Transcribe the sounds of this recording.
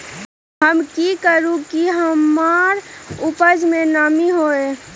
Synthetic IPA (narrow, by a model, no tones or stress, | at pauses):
ɦəmkikəɾũkiɦəmaːɾʊpəd͡ʒmẽnaːmiɦoːeː